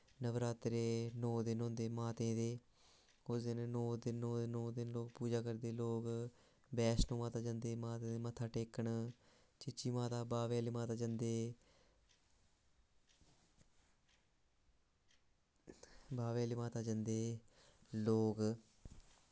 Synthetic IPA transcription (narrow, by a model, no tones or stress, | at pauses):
nəʋɾaːt̪ɾeːnoːd̪ɪnɦõːnd̪eːmaːt̪ẽːd̪eː | ʊsd̪ɪnnoːd̪ɪnoːd̪ɪnõːd̪ɪnloːkpuːd͡ʒaːkəɾd̪eːloːk | bɛːsnũːmaːt̪aːd͡ʒə̃nd̪eːmaːt̪ẽːd̪eːmət̪ʰaːʈeːkəɳ | t͡ʃɪt͡ʃiːmaːt̪aːbaːʋeːliːmaːt̪aːd͡ʒənd̪eː | baːʋeːliːmaːt̪aːd͡ʒənd̪eː | loːk